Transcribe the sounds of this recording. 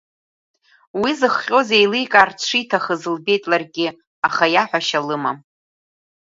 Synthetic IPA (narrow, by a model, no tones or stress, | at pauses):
wizɨχːʲʼo̞zejlɨjkʼart͡ɕʷʰijtʰaχəzɨlbe̞jtʼlarɡʲɪ | aχajaħʷᶣaʃalɨmam